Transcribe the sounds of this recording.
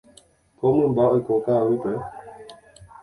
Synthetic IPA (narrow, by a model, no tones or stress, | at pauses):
pɔməmbaɔjkɔkawepɛ